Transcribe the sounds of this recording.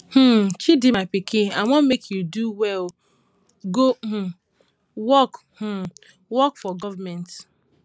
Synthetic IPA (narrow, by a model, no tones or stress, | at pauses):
h̩t͡ʃidimaɪpikeamɔ̃mekʰjuduwɛl | ɡoh̩ | wɔk | h̩ | wɔkfɔɡɔvamɛ̃nt